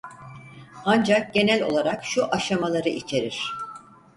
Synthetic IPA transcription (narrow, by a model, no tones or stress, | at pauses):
and͡ʒak̚ɟe̞nælʲo̞̰lˠaɾakʃuʔaʃamalˠaɾɯʔit͡ʃʰe̞ɾiɾ̥